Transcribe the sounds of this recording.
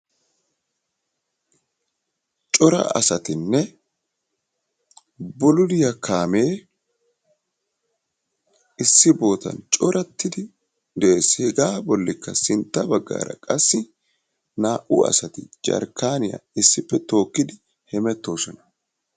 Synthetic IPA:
t͡ʃʼɔɾɐ̰ɐ̰sɐt̪ɪnːɛ | bʊlʊdɪjɐkʰaːme̞ː | ɪsːɪbo̞ːt̪ɐ̰nt͡ʃʼɔɾɐt̪ːɪd̪ɪ | d̪e̞ːshɛɡaːbɔlːɪkːɐsɪnt̪ːɐbɐɡːa̰ːɾɐ̰kʼɐsːɪ | naːʔʊɐ̰sɐt̪ɪd͡ʒɐ̰ɾkaːnɪjɐ̰ɪsːɪpːɛt̪o̞ːkːɪd̪ɪ | hɛmɛt̪ːo̞ːsɔnɐ̥

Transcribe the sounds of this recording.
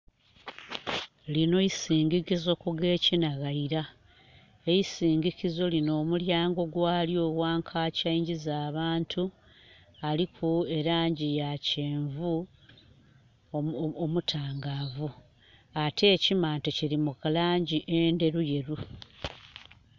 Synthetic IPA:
lino̞isiːɲɡicizo̞kuɡe̞ːcinaɣaiɾa | ejisiːŋɡicizo̞lino̞ːmuljaːŋɡo̞ɡwaːljo̞ːɣwaːŋkʰaːcaiɲɟizaːβaːntʰu | alikʰue̞ɾaːɲɟijaceːɱvu | omutʰaːŋɡaːvu | atʰe̞ːcimaːntociɾimukalaːɲɟiʔende̞ɾuje̞ɾu

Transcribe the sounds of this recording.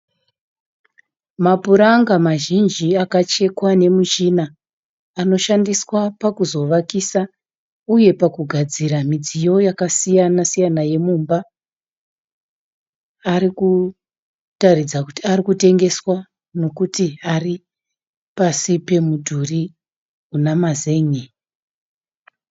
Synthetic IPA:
mapuɾaŋɡamaʒind͡ʒiakat͡ʃe̞kwane̞muʒinaː | no̞ʃandiswapakuzo̞ʋakisa | uje̞pakuɡʱad͡ziɾamid͡zijo̞jakasijanasijanaje̞muːmba | ɾiku | tarid͡zakutiaɾikute̞ŋɡe̞swa | no̞kutiari | pasipe̞mudʱuri | unamaze̞ɲe

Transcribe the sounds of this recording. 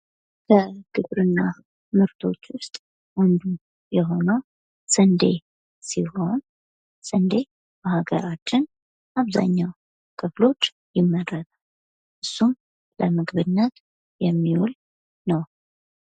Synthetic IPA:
kʰəɡ̥ɨβɾɨnːa | mɨɾt̪ʰo̞t͡ʃːwʊst̪ʼ | wɔnd̪u | jɛɦo̞nəw | sʼɨnd̪e̞̰ | siho̞n | sʼɨnd̪e̞ | bəhaɡəɾat͡ʃːɪn | aβza̰ɲːaw | kʰɨflo̞t͡ʃː | jɪmːəɾːət̪a | ʔɨsːum | ləmɨɡβɨnːət̪ | jɛmːiwul | nəw

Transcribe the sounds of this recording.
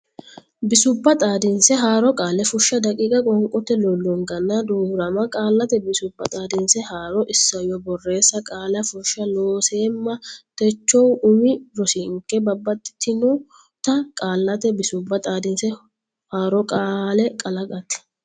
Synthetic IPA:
bɪsʊbːɐt̪ʼaːd̪ɪnsɛɦaːɾɔkʼaːlɛfʊʃːɐd̪ɐkʼiːkʼɐkʼɔŋkʼɔt̪ːɛlɔlːɔŋɡɐnːɐd̪uːɾɐmɐkʼaːlːɐt̪ɛbɪsʊbːɐt̪ʼaːd̪ɪnsɛhaːɾɔʔɪsːɐjɔbɔrːe̞ːsːɐkʼaːlɐfʊʃːɐloːseːmːɐt̪ɛt͡ʃːɔwʊmɪɾɔsɪŋkːɛbɐbːɐt̪ʼːɪ̥t̪ɪnɔ | t̪ɐkʼaːlːɐt̪ɛbɪsʊbːɐt̪ʼaːd̪ɪnsɛ | haːɾɔkʼaːlɛkʼɐlɐɡʼɐt̪ɛ̥

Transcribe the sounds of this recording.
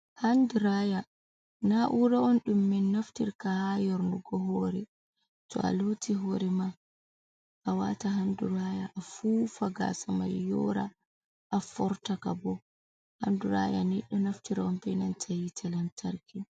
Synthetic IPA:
handuɾaja | naʔuɾaɔnɗumːɛnːaftiɾkahajɔɾnuɡɔɦɔɾɛ | tɔ̰ʔa̰lotʰiɦɔɾɛma | ʔawa̰taɦanduɾajaʔːfufaɡa̰sama̰jːɔ̰ɾa | ʔafɔɾtakabɔ | ha̰nduɾa̰ja̰nɛɗɔnaftiɾaɔnbɛnantʰajitʰalantʰaɾkʰi

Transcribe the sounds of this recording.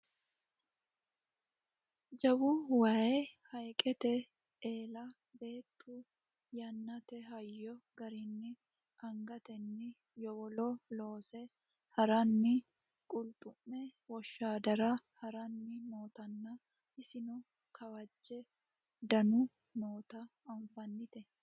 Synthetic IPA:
d͡ʒɐbuwaːjehɐjkʼɛt̪ɛ | eːlɐ | be̞ːt̪ːu | jɐnːɐt̪ɛɦɐjːɔɡɐɾɪnːɪ | ʔɐŋɡɐt̪ɛnːɪ | jɔwɔloːlo̞ːsɛ | hɐɾɐnːɪ | kʼʊlt̪ʼʊmːɛwɔʃːaːd̪ɐɾɐhɐɾɐnːɪmoːt̪ɐnːa | ɪsɪnʊ | kʰɐwɐd͡ʒːɛ | d̪ɐnʊ | mo̞ːt̪ɐɐɱfɐnːɪt̪ɛ

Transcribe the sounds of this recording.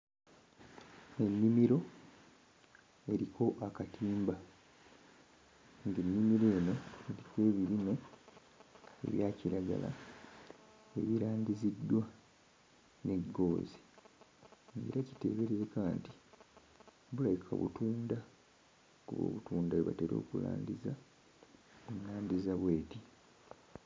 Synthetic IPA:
e̞nːimiɾo̞ | e̞ɾikʰo̞ʔakatiːmba | ŋɡenːimiɾo̞jeno̞eɾikwe̞ːβiɾino̞ | e̞̰βjaːciɾaɡa̰la̰ | e̞̰βiɾaːɲɟizidːwa | ne̞ɡːo̞ːzi | ḛɾʔaci̥te̞̰βe̞ɾezekaːnti̥ | bulajikʰa̰βṵtuːnda | kuβo̰ːβutuːndaweβa̰teɾo̞̰ːkula̰ːndiza | munːaːndizaβwe̞ːti

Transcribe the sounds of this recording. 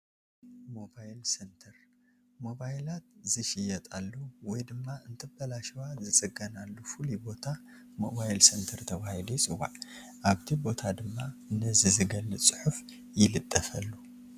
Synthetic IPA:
mo̞bajlsent̪ʰɐɾ | mo̞bajlat̪̚zɨʃɪjɐt̪ʼalːowɔjd̪ɨmːaɨnt̪ʰɨbɐlaʃɐwazɨt͡sʼɨɡɐnalːufɨlibo̞t̪ʰa | mo̞bajlsɐnt̪ʰɐɾt̪ʰɐβahilujt͡sʼɨwa̰ʕ | ʔaβt̪ʰibo̞t̪ʰad̪ɨmːaɨnːɐzizɨɡɐlːɨsʼɨħuf | jɪlɨt̪ʼːɐfɐlːu

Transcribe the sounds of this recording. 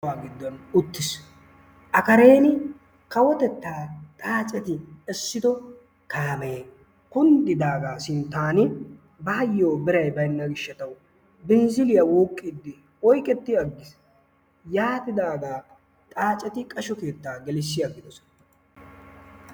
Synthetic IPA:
aːɡɪd̪ːɔnʊt̪ːɪs | ʔɐkɐɾe̞ːnɪ | kɐwɔt̪ɛt̪ːaːt̪ʼaːt͡ʃʼɛt̪ɪɛsːɪd̪ɔ | kʰaːmeː | kʊnd̪ɪd̪aːɡaːsɪnt̪aːnɪ | bɐɐjːo̞ːbɪɾɐjbɐjnːɐɡɪʃːɐt̪ɐw | bɪnzɪlɪjɐwuːkʼːɪd̪ːɪ | ɔjkʼɛt̪ːɪɐɡːɪs | jaːt̪ɪd̪aːɡaː | t̪ʼaːt͡ʃʼɛt̪ɪkʼɐʃɔke̞ːt̪ːaːɡɛlɪsːɪjaɡɪd̪ɔsɔ

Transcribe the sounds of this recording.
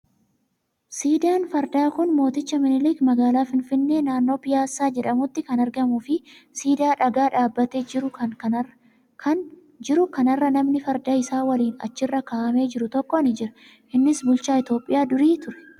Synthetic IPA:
siːd̪ɪjaːnfɐɾd̪aːkʊnmo̞ːt̪ɪt͡ʃːɐmɪnɪliːkmɐɡaːlaːfɪnfɪnːe̞ːnaːnːo̞ːpɪjaːsːaːd͡ʒɛᶑɐmʊt̪ːɪkɐnɐɾɡɐmuːfɪsiːd̪ɪaːᶑɐɡaːᶑaːbːɐt̪eːd͡ʒɪɾʊɐk | kʰɐn | d͡ʒɪɾʊkɐnɐrːɐnɐmnɪfɐɾd̪aːɪsaːwɐliːnɐ̰t͡ʃːɪrːɐkaːʔɐme̞ːd͡ʒɪɾʊt̪ɔkːɔɐnɪd͡ʒɪɾɐ | ʔɪnːɪsbʊlt͡ʃaːɪt̪jo̞ːpʼːɪ̰jaːd̪ʊɾiːt̪ʊɾɛ̥

